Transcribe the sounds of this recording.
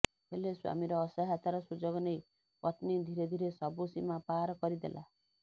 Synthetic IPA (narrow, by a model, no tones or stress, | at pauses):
ɦeleswa̰miɾɔːsaɦat̪aɾɔsud͡ʒɔɡɔnej | pɔt̪nid̪ʱiɾed̪ʱiɾesɔbusimapaɾɔkɔɾid̪ḛlʔa̰